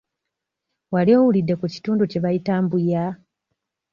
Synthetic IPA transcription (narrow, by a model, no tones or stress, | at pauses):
walio̞ːwulidːe̞kuci̥tuːnduce̞βajitaːmbuja